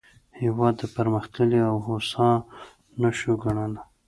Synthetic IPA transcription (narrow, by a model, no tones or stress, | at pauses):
hiwɑd̪ːəpaɾməxt̪əliawɦosɑ | naʃoɡaɳana